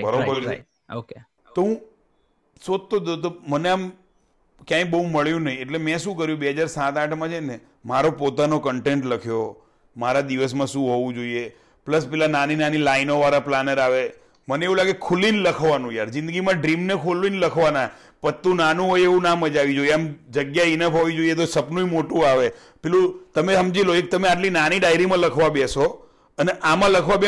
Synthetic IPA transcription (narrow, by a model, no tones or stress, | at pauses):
bəɾobəɾ̰ | o | t̪oɦũ | sot̪ːod̪ot̪oməneam | kjãĩbəɦũməɭjũnəɦĩeʈlemɛ̃ʃũkəɾjũbeɦəd͡ʒaɾsãt̪aʈʰmãt͡ʃʰene | maɾopot̪anokəɳʈeɳʈləkʰjo | maɾad̪iʋəs̬mãʃũɦoʋũd͡ʒoie | pləspɛːlananinanilainoʋaɾaplanəɾaʋe | məneeʋũlaɡekʰulinləkʰʋanũjaɾd͡ʒɪ̃nd̪əɡimãɖɾimnekʰulinləkʰʋana | pət̪ːũnanũɦojeʋũnaməd͡ʒaʋid͡ʒoieamd͡ʒəɡjainəpɦoʋid͡ʒoijet̪osəpnũimoʈũaʋe | pɛlũt̪əmeɦəmd͡ʒiloek̚t̪əmeaʈlinaniɖajɾimãləkʰʋabɛso | əneʔamãləkʰʋab